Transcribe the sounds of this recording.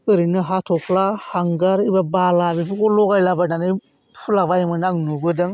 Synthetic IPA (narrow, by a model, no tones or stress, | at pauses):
əɾinəɦatofulahaŋɡaɾibɛbaːlabifikolokailabanani | fulavajimanaɡnoɡodɛŋ